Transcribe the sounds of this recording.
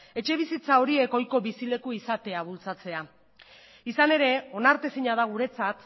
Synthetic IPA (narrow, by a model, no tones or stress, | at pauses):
e̞t͡ʃe̞β̞isit͡sao̞ɾie̞ko̞jko̞βisile̞kuisat̪e̞aβ̞ult͡sat͡se̞a | isane̞ɾe̞o̞naɾt̪esiɲaðaɣuɾe̞t͡sat̪